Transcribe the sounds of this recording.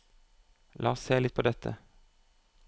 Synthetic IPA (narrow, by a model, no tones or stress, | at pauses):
lʔɑ̰ːsseːlɪt̪̚pʰoːd̪ɛt̪ʰə̰